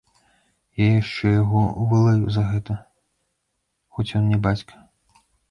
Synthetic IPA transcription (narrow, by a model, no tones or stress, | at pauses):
jajaʂt͡ʂɛjaɣɔuvɐlˠajuzɐɣɛt̪ɐ | xɔt͡sʲjɔnnʲɛbat͡sʲkɐ̥